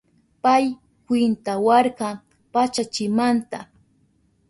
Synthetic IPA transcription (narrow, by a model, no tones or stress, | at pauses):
paj | kwɪnt̪awɑɾɢɑ | pat͡ʃat͡ʃɪmant̪a